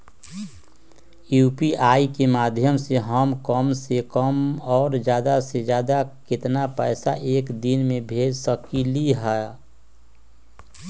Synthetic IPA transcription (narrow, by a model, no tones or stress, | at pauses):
juːpiʔaːikemaːd̪ʱjəmseɦəmkəmsekəmɔːɾd͡ʒjaːd̪ased͡ʒjaːd̪akɪt̪napɛːsaʔeːkd̪inmẽbʱeːd͡ʒsəkiliɦɛ